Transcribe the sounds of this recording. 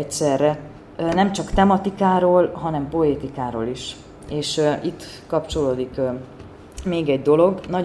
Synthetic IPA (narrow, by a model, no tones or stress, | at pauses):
ɛsɛrːɛ | nɛmt͡ʃɒkt̪ɛmɒt̪ikaːɾoːlɦɒnɛmpo̞eːt̪ikaːɾo̰ːliʃ | eːʃʔit̪ː | kɒpt͡ʃo̞loːd̪ik | meːɡɛɟ̚d̪o̞lo̞ɡnɒ